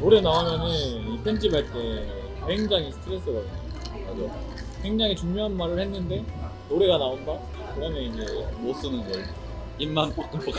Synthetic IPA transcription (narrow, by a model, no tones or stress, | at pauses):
noɾe̞naomjʌnɯnipʰend͡ʑibaɭt͈e̞ | heŋd͡ʑaŋisʰɯ̥tʰiɾes͈ʌɾʌdɯɲo | ɾesʰo | ɸwe̞ŋd͡ʑaŋit͡ɕuŋmjoɦanmaɾɯɭhenːɯnde̞ | noɾe̞ɡanaonda | kɯmʌneid͡ʑe̞mos͈ɯnɯnɡʌ | imːanpak͈ɯmpok